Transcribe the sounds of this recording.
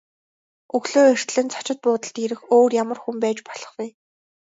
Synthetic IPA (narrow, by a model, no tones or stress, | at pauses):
ɵɣɮoːer̥t̪ɮɘ̆nt͡sʰḁt͡ɕɪ̆t̪̚pʊːt̪ə̆ɬt̪iɾɘ̆xoːrjamə̆rxumpæːt͡ɕpɔ̥ɮɞ̆χwuj